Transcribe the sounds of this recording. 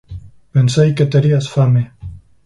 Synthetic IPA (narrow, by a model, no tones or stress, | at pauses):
pensajket̪eɾiasfame